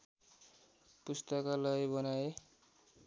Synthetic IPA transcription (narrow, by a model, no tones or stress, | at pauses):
pust̪ʌkalʌjbʌnae